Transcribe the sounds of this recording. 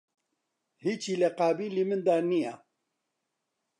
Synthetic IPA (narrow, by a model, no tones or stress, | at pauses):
hiːt͡ʃʰiːlɛqaːbiːlimɨnd̪aːnijaː